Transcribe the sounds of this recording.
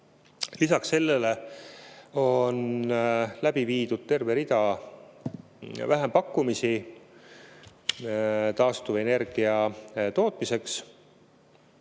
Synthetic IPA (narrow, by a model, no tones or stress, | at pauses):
lisɑkse̞lːele | o̞n | læb̥iviːd̪̥ud̪̥̚t̪e̞rve̞ɾid̪̥ɑ | væɦempɑkːumisi | t̪ɑːst̪uve̞ne̞rɡ̥iɑt̪o̞ːt̪ˑmise̞ks